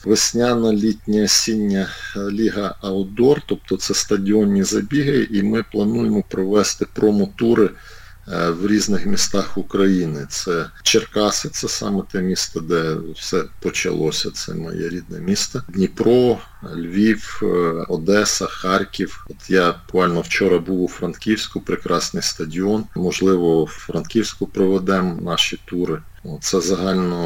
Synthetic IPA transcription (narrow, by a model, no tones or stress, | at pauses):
ʋɪsʲnʲanɐlʲitʲnʲɐsʲinʲːɐlʲiɦɐɐld̪ɔrt̪ɔp̚t̪ɔt̪sɛst̪ɐdʲiɔnʲːizɐbʲiɦɪʔimɪplˠɐnujemɔpɾɔʋɛst̪ɪpɾɔmɔt̪uɾɪ | wɾʲiznɪxmʲist̪ɑxʊkɾɐjinɪt̪sɛt͡ʃerkɑsɪt̪sɛsɑ̰mɛt̪ɛmʲist̪ɐd̪ɛwsɛpɔt͡ʃɐ̰lˠɔsʲɐ̰t̪sɛ̰mɐ̰jɛ̰ɾʲid̪̚nɛ̰mʲist̪ɐdʲnʲipɾɔ | lʲʋʲiwɔd̪ɛsɐxɑrkʲiwɔt̪jɑbʊkʋɑlʲnɔwt͡ʃɔɾɐbuwʊfɾɐnkʲiwsʲkʊpɾɪkɾɑsnɪjst̪ɐdʲiɔnmɔʒlˠɪʋɔwfɾɐnt̪kʲiwsʲkʊpɾɪʋɛd̪ɛmnɑʃit̪uɾɪ | ɔt̪t̪sɛzɐɦɑlʲnɔ